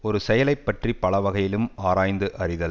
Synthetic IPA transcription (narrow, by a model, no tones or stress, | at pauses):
ɔɾɯsɛjɐlɐɪpːɐʈripɐɭɐʋɐɣɐjɪlɯmaːɾaːjnd̪ɯʔɐrɪðɐ